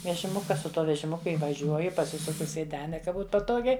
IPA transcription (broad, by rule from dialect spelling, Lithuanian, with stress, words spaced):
ʋʲɛʒʲɪˈmʊkɐ sʊ ˈtuɔ ʋʲɛʒʲɪˈmʊkʊ iːʋɐˈʒʲuɔjʊ pɐˈsʲɪsʊkʊ sʲeːˈdʲæːnʲɛ kɐ ˈbuːt pɐˈtoːɡʲɛɪ